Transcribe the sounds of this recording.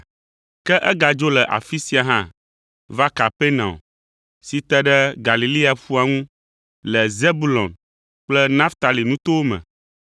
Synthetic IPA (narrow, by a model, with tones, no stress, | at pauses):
kɛ˦ʔɛ˦ɡa˨d͡ʒo˦lɛ˨ʔa̰˨fi˦si˦a˨ɦã˦ | va˦ka˨pe˦nã̰˨o˨ | si˨t̪ɛ˦ɖɛ˦ɡa˨li˨li˦a˨fu˦a˨ŋũ˦ | lɛ˨ze˦bu˦lɔ̰̃˨n | k͡plɛ˦nã˦ft̪a˨li˨nũ˦t̪o˦wo˦mɛ̰̃˨